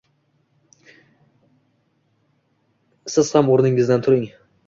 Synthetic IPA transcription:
sɪz̥hamoɾnɪŋɪzd̪ant̪ʰʊɾɪŋ

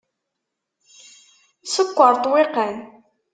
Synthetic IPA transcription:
səkʷːəɾˤt̪ˤwɪqən

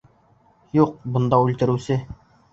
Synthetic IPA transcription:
juq̚bŏnd̪ɑʉlt̪ɘ̆ɾɘ̆wsɘ

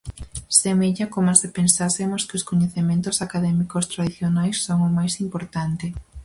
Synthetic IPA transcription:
semeʎakomasepensasɪmoskɪoskoɲeθemẽnt̪ʊsakaðɛmikost̪ɾaðiθjonajsːoŋʊmajsimpoɾt̪ant̪ɪ

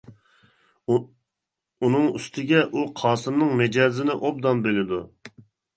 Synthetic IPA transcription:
unɨŋyst̪ʰɪɡʲɛʔuqʰɑːsɨmnɨŋmɛd͡ʒɑːzɪnɪʔob̚d̪ɑnbelɪd̪u

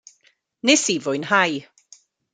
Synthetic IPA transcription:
nɪsivʊjnhaj

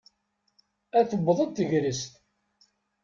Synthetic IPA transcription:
æθəbːəðˤəd̪t̪ːəʝɾəst̪

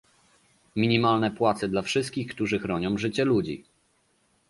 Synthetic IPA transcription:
mʲiɲimalnɛpwat̪sɛd̪lafʂɘst̪̚kʲixkt̪uʐɘxɾɔɲɔ̃w̃ʐɘt͡ɕɛlud͡ʑḭ

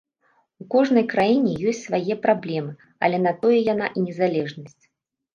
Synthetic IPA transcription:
ukɔʐn̪ɐjkɾajinʲɛjɔsʲtt͡sʲsvajɛpɾablʲɛmɨ | ɐ̰lʲɛnat̪ɔjɛjana̰ʔinʲɛzalʲɛʐnɐsʲt͡sʲ

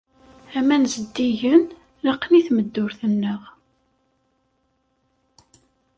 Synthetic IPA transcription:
æmænzəd̪ːiʝən | ləqːniθməd̪ːʊɾθənːəʁ

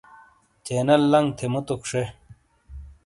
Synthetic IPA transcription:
t͡ɕeːnɐlːɐŋɡt̪ʰemut̪ukʂe

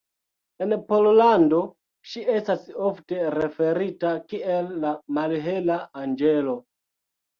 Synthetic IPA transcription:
e̞npollando̞ | ʃie̞stasofte̞ɾe̞fe̞ɾitakielːamalɦe̞laand͡ʒe̞lo̞

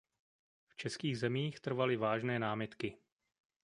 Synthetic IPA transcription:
ft͡ʃɛskiːɣzɛmiːxt̪r̩valɪvaːʒnɛːnaːmɪt̪kɪ

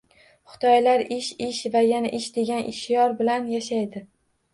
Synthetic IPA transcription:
χʊ̥t̪ʰɒjlaɾɪʃɪʃvajanaʔɪʃd̪e̞ɡʲanʔɪʃjɒɾbɪlanjaʃajd̪ɪ

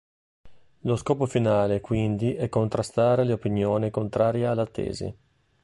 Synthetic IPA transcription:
loskɔːpofinaːlekwind̪iʔɛkːont̪ɾast̪aːɾeleopinjoːnikont̪ɾaːɾjealːat̪ːḛːzḭ

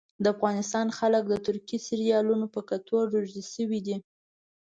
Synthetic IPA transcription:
d̪əafɣɑnɪst̪ɑnxalək̚d̪ət̪ʊɾkisɪɾijɑlunopəkat̪ʰoɾoʒd̪iʃəwid̪i

